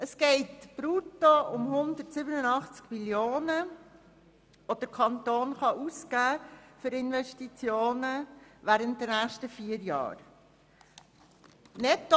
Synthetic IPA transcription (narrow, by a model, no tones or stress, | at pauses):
əsɡ̥ɛɪtb̥ɾutoʊmhʊnd̪ətsɪbənənɑχt͡skmiljoːnə | ʋod̥əɾkʰɑnt̪oːnχɑʔuskæːfʏɾɪnʋɛʃtit͡sjoːnəʋæːɾənt̚d̥ənæːχʃtəfiəɾjɑ̰ːɾ | nɛt̪ː